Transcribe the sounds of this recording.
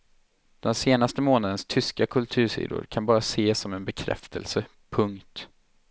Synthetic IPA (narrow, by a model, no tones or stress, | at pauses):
d̪̥ɛnseːnast̪əmoːnad̪ənst̪ʰʏskakʰɵlt̪ʰʉ̟ːʂḭːd̪ʊ̰ɾkʰanbɑːɾaseːsːɔmɛnbɛkʰɾɛ̰ft̪ʰə̰lsə | pʰɵŋkt̪